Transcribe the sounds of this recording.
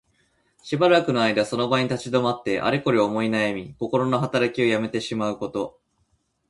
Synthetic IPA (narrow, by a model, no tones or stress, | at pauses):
ɕibaɾakɯ̟no̞aid̪aso̞no̞baɲ̟it̪at͡ɕid̪o̞mat̪ːe̞ʔa̰ɾʲiko̞ɾʲiomo̞inajamʲiko̞ko̞ɾo̞no̞ɦat̪aɾakʲio̞jame̞t̪e̞ɕimaɯ̟ko̞t̪o̞